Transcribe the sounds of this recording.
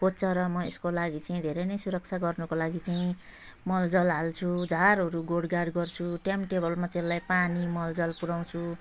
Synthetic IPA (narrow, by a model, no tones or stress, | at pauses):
pot̪t͡sʰʌɾʌmʌeskolaɡit͡saĩd̪ʱeɾenʌjsuɾʌk̚t͡sʰaɡʌrnukolaɡit͡saĩ | mʌld͡zʌlɦalt͡sʰud͡zʱaɾɦʌɾuɡoɽɡaɖɡʌrt͡sʰuʈemʈebʌlmat̪elajpanimʌld͡zʌlpuɾaw̃t͡sʰu